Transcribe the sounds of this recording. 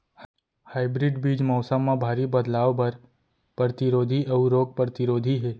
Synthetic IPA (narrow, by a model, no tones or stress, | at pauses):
haːɪbɾɪɖbiːd͡ʒmɔːsəmːãbʱaːɾibəd̪laːʋbɐɾ | pɾəɾət̪ɪɾoːd̪ʱiʔɐʋuɾoːɡ̚pɾət̪ɪɾoːd̪ʱiɦɛː